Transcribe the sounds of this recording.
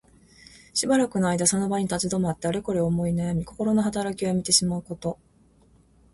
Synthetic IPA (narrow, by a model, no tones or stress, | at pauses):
ɕibaɾakɯ̟noaid̪aso̞no̞baɲ̟it̪at͡ɕid̪o̞mat̪ːe̞aɾeko̞ɾeomo̞inajamʲiko̞ko̞ɾo̞no̞ɦat̪aɾakʲiβamʲit̪e̞ɕimaɯ̟ko̞t̪o̞